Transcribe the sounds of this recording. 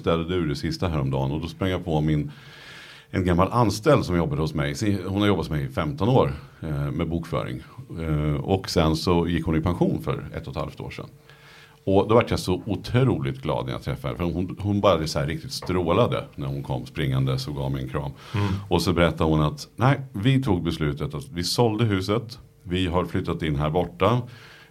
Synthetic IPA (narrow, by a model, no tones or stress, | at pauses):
st̪ɛld̪əd̪ɛʉɖ̪ɛsɪst̪aɦæːɾɔmd̪ɑ̰ːnɔd̪ɔspɾaŋjapʰɔmɪn | ɛnɡamːalʔanst̪ɛld̪sɔmjɔbːad̪əhʊsmɛjshʊnhaɾjɔbːat̪mɛjɪfɛmt̪ɔnoːɾmɛbuːkfœ̰ːɾɪ̰ŋ | ɔksɛnsɔjɪkːhʊnɪpʰanɧuːnfœ̰ɾɛ̰t̪ːɔt̪ha̰lft̪o̰ːʂɛ̰n | ɔd̪ɔvaʈːjasɔʊt̪ʰɾɾuːlɪt̪ɡlɑ̰ːd̪n̰j̰a̰t̪ʰːɾɛ̰fːahɛ̰ɾfœəɾhʊnhʊnbɑːɾad̪ɛsɔæɾːɪk̚t̪ɪt̪st̪ɾoːlad̪ə̰næɾhʊnkʰɔ̰mːspɾɪŋːand̪əsɔɡɑ̰ːvmɛ̰nkʰɾɑ̰ːm | ɔsɔbɛɾɛt̪ʰːad̪əhʊnat̪næɪvɪt̪ʰuːɡ̚bɛslʉ̟ːt̪ət̪at̪vɪsɔld̪əɦʉ̟ːsət̪ | vɪɦaɾflʏt̪ːat̪ɪnːɦæːɾbɔʈːa